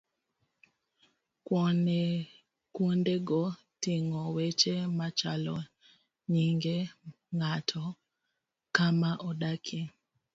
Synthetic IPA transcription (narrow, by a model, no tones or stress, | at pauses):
kwɔne | kwondeɡɔ | tiŋɔwet͡ʃemat͡ʃalɔ | ɲiŋɡe | ŋatʰɔ | kamaʔɔɗakʰi